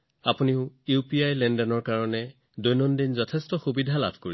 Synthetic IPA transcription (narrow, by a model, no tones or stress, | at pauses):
apuniʊupiajlɛndɔnɔɹkaɹɔnɛ | dojnɔndinzɔtʰɛstɔxubidʱala̰bʱkoɹi